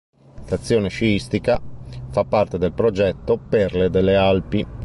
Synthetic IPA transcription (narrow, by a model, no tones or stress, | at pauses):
t̪at̪sːjɔːneʃiist̪ikafapːart̪ed̪elpɾod͡ʒɛt̪ːoperled̪elːealpi